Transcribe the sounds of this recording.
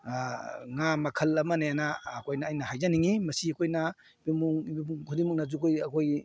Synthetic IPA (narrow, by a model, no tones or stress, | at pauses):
ŋamɐkʰɐlɐmɐneanaːkʰojnɐːjnɐhajzaniŋimɐsiɐkʰojnɐ | bimuŋbimuŋkʰudimuk̚nɐzukojɐkʰoj